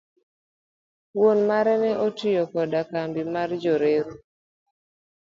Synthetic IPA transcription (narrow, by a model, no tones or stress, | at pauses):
wonmaɾɛnɛʔotɪjokɔdakambimard͡ʒoɾeɾu